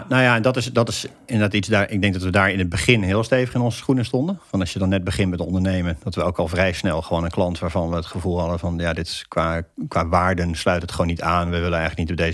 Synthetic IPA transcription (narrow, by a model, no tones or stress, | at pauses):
nojaɛndɔtɪsdɔtɪs | ɪnədaːtitsdaːɹʔɪɡ̚dɛŋk̚dɔtʋədaːɹɪnɦəd̚bəχɪnɦɪːlˠsteːvəχɪnɔnzəsχunəstɔndənfɑnɑsjədɑnːɛd̚bəχɪnmɛtəɔ̰ndəɹnejməndɑtʋəowkɑlˠfrɛjsnɛlˠχəʋoːnənklɑntʋaːɹvɑnʋəətχəvulˠɦɑdəvɑnjadɪtkʋaːkʋaːʋaːɹdənslœɥtətχəʋoːnːitaːnʋəʋɪlənɛjxələk̚nitɔb̚dez